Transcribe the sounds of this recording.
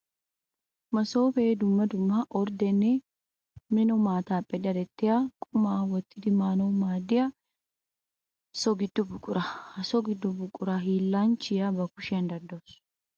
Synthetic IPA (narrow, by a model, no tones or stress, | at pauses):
mɐso̞ːfeːd̪ʊmːɐd̪ʊmːɐʔɔɾd̪ɛnːɛ | mɪnɔmaːt̪aːpʼːɛd̪ɐd̪ɛt̪ːɪjaːkʼʊmaːwɔt̪ːɪd̪ɪmaːnɔwmaːd̪ɪjɐ | sɔɡɪd̪̥ːʊbʊkʼʊɾɐhɐsɔɡɪd̪ːʊbʊkʼːʊɾaɦiːlːaːnt͡ʃɪjabɐkʊʃɛɐnd̪ɐɾd̪oːs